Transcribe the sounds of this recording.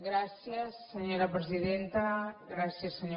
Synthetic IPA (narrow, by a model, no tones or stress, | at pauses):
ɡɾasjɐsːeɲoɾɐpɾeziðent̪ɐɡɾasjɐsːeɲo